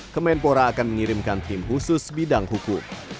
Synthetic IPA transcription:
kɔmɛnpoɾaːkanməŋiɾɪmkant̪ɪmɦusʊsbidaŋhukʊm

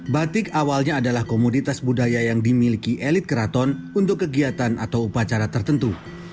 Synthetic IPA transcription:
bat̪ɪkawalɲaːdalahkomodit̪asbudajajaŋdimilikiʔelɪt̪̚kəɾat̪ɔnunt̪ʊkːəɡiat̪anʔat̪awupat͡ʃaɾat̪ərt̪ənt̪u

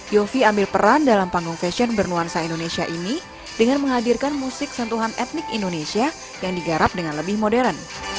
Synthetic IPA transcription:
jofiambɪlpəɾandalampaŋɡuŋfɛsiɔnbərnuansaindonesiaʔini | d̥əŋanməŋɦadirkanmusɪk̚sənt̪uɦanɛt̪̚nɪkindonesia | jaŋdiɡaɾap̚dəŋanləbɪhmodɛɾən

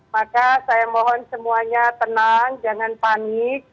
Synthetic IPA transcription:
makasajamɔɦɔnsəmuaɲat̪ənaŋd͡ʒaŋanpanik̚

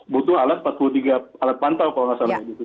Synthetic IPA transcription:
but̪ʊhalat̪̚pat̪̚pulut̪iɡaalat̪̚pant̪awkalɔŋasalaidit̪u

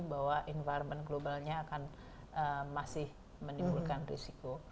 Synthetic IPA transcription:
baɦwaʔinfajɾmənɡlobalɲaːkan | ʔəmasɪh | mənimbulkanrḭsiko

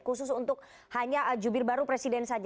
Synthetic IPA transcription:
kus̬ʊsunt̪ʊk̚ | haɲaʔd͡ʒubɪrbaɾupɾesidɛnsad͡ʒ

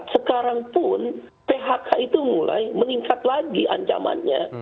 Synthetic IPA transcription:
səkaɾaŋpʊn | peɦakʰait̪umula̰jməniŋkat̪̚laɡiʔa̰ɲt͡ʃa̰ma̰nɲa̰

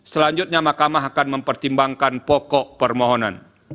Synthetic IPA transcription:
səlaɲd͡ʒʊt̪̚ɲamahkamaɦakanməmpərt̪imbaŋkanpɔkɔʔpərmɔɦɔna̰n

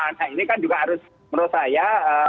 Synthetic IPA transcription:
anainikand͡ʒuɡaɦaɾʊs | məɾusajaə

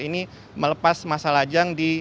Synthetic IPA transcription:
ini | mələpasmasalad͡ʒaŋdi

